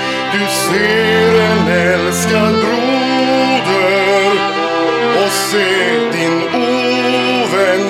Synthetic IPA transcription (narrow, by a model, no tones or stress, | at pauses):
d̪̥ʉseːɾɛnɛlskənɾu | d̪ə | ɾ | oseː | d̪ɪn | u | ʋɛn